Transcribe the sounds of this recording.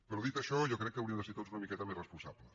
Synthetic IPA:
pɾɔðit̪əʃɔjɔkɾɛkːəɐwɾiəmd̪əseɾt̪od͡zunəmikɛt̪əmezrəspunsaplə

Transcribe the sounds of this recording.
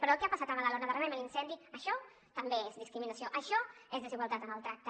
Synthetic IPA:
pəɾɔəlˠkɛapasat̪əβaðalonəðərəmeməlinsɛnd̪iəʃɔ | t̪əmbeezðiskɾiminəsioʔəʃɔezðəziɣwalˠt̪at̪ənəlˠt̪ɾak̚t̪ə

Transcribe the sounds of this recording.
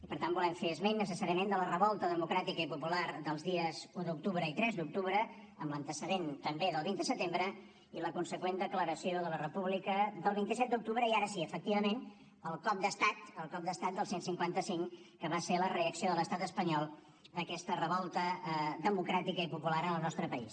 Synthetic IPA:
ipəɾt̪ambulɛɱfeəzmenːəsəsaɾiəmend̪ələrəβɔlˠt̪əðəmukɾat̪ikəipupulaɾd̪əlˠzðiəzuðuk̚t̪uβɾəit̪ɾɛzd̪uk̚t̪uβɾə | əmlənt̪əsəðent̪əmbeðəlˠβind̪əsət̪embɾə | iləkunsəkwend̪əkləɾəsioðələrəpuβlikəðəlˠβint̪isɛt̪̚d̪uk̚t̪uβɾəiaɾəsiəfək̚t̪iβəmen | əlˠkɔp̚d̪əst̪at̪əlˠkɔp̚d̪əst̪at̪̚d̪əlˠsensiŋkwant̪əsiŋkəβaselərəəksioðələst̪at̪əspəɲɔlˠ | d̪əkɛst̪ərəβɔlˠt̪əðəmukɾat̪ikəipupulaɾənəlˠnɔst̪ɾəpəḭs

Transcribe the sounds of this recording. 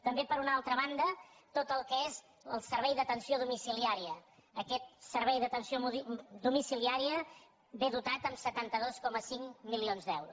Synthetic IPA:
t̪əmbepəɾunalˠt̪ɾəβ̞and̪ət̪ot̪əlˠkəez | əlˠsəɾβ̞ɛjðət̪ənsioðumisiliaɾiəː | kɛt̪̚səɾβɛjðət̪ənsioud̪umisiliaɾiə | beðut̪at̪əmsət̪ant̪əðoskɔməsiŋmilionzd̪ɛ̰wɾus

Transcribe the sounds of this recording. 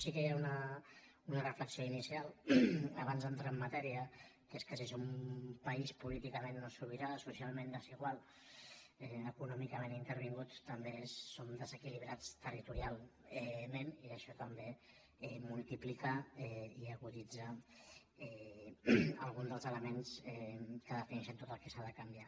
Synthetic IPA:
sikəjaunə | unərəfləksioinisialˠəβ̞anzənt̪ɾaəmːat̪ɛɾiəkeskəsisoumpəispulit̪ikəmenːosuɾβiɾasusialˠmẽnd̪əsiɣwalˠ | ɛəkunɔmikəmẽnint̪əɾβ̞iŋɡut̪t̪əmbeːond̪əzəkiliβɾat͡st̪ərit̪uɾialˠɛmeniəʃɔt̪əmbe | ɛmulˠt̪iplikaɛiəɣuðid͡zə | ɛ | əlˠɣ̞und̪əlˠzələmensɛkəðəfinɛʃənt̪ot̪əlˠkəsaðəkambia

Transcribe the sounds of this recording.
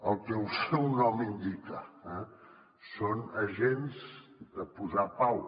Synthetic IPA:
əlˠkɛusɛwnɔmind̪ikəɛ | sonəʒenzd̪əpuzapaw

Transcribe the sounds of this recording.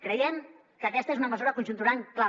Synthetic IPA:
kɾəjɛm | kəːkɛst̪əezunəməzuɾəkunʒunt̪̬uɾaŋkla

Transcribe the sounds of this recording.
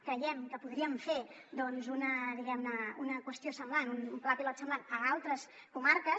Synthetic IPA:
kɾəjɛmkəpuðɾiəmfed̪ɔnzunəðiɣɛmnəunəkwəst̪iosəmblanunumplapilɔt̪səmblanəalˠt̪ɾəs | kumaɾkə

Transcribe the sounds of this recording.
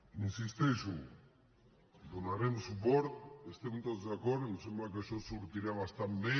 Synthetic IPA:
ninsist̪ejsu | d̪onaɾensupoɾt̪est̪eunt̪ot̪zakoɾenusembakaʃosuɾt̪iɾaβast̪ambe

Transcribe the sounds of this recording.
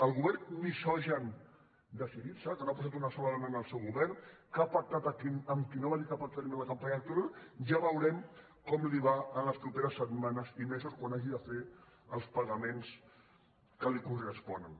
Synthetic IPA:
əlˠɣuβɛrmisɔʒən | d̪əsiðisəkənoapas̬at̪unəsɔmalanənəlˠsɛwɣuβɛrkapak̚t̪at̪əkinəmkinoβaʒik̪apaɾt̪aɾimẽnləkəmpaɲələk̚t̪uɾalˠʒaβəwɾɛm | kɔmliβaənləspɾupeɾəsːət̪manəzimesuskwanaʒiðəfe | əlˠspəɣəmens | kəlikurəspɔnən

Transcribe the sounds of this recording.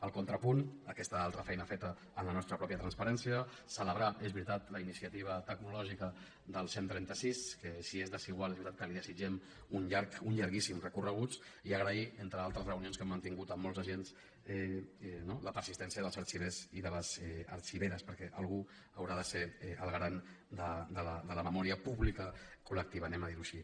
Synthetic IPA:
əlˠkont̪ɾəpunəkɛst̪əalˠt̪ɾəfɛjnəfet̪əː | nlənɔst̪ɾəpɾɔpjət̪ɾənspɐɾɛnsiə | sələβɾaʔezβɾit̪at̪ləinisiət̪iβ̞ət̪əɡnulɔʒikə | d̪əlˠsent̪ɾɛnt̪əsiskəsiezðəsiɣwalˠezβɾit̪at̪kəliðəsid͡ʒɛm | unʎaɾkuɲʎaɾɣisimrəkurəɣ̞ut͡siəɣ̞ɾəient̪ɾəalˠt̪ɾəzrəunionskɛmːənt̪iŋɡut̪əmːɔlˠzəʒens | ɛnoləpəɾsist̪ɛnsiəðəlˠzəɾt͡ʃiβeziðələzɛə̰ɾt͡ʃiβeɾəspəɾkɛʔəlˠɣu | əwɾaðəseɛʔəlˠɣɾan | d̪əd̪ələd̪ələməmɔɾiəpuβlikəkulək̚t̪iβənɛməðiɾuʃi

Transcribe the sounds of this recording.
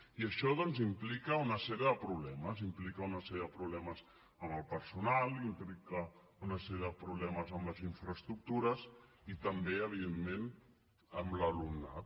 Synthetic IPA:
iəʃɔðɔnzimplikəunəsɛɾijəðəpɾuβlɛməzimplikəunəsɛɾjəðəpɾuβlɛməz | əməlˠpəɾsunalˠimplikə | unəsɛɾjəðəpɾuβlɛməzəmləziɱfɾəst̪ɾuk̚t̪uɾəzit̪əmbeəβ̞iðenmen | əmləlumna̰t̪

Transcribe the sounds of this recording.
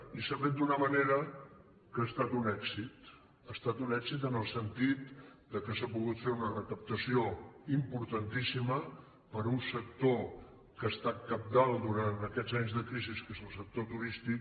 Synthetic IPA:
isafet̪̚d̪unəməneɾə | kəaːst̪at̪unɛksit̪ | əst̪at̪unɛkzit̪̬ənəlˠsənt̪it̪d̪əkəsapuɣut̪feɾunərəkəp̚t̪əsioimpuɾt̪ənt̪isimə | pəɾunsək̚t̪o | kəst̪akəp̚d̪alˠd̪uɾant̪əkɛzaɲzðəkɾiziskezəlˠsək̚t̪ot̪uɾist̪ik

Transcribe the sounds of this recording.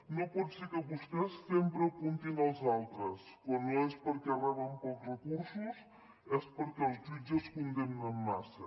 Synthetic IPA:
nõwpɔd̪seɾkɐβust̪ɛsːempɾɐpũnt̪iŋawzalˠt̪ɾɐskwɐnõɛspɐɾkɛɐrɛβɐmporəkuɾsus | ɛspoɾkawzzizɐskund̪emnɐmmasɐ̰

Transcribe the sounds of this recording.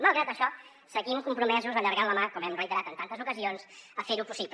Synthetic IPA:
məlˠɣɾat̪əʃɔ | səɣimkumpɾumɛzuzəʎəɾɣanləmakɔmɛmrəjt̪əɾat̪ənt̪ant̪əzukəzionzəfeɾupusip

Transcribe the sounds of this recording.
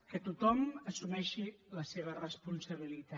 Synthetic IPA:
kət̪ut̪ɔməsumɛʃiləseβ̞ərəspunsəβ̞ilit̪a

